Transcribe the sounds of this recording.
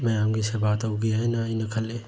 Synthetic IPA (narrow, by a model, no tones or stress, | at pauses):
mɐjamɡisebʱatɐwɡiajnɐːjnɐkʰɐlːe